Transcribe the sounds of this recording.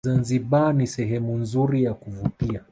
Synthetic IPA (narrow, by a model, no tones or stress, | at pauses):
anziɓanisɛɦɛmunzuɾijakuvutia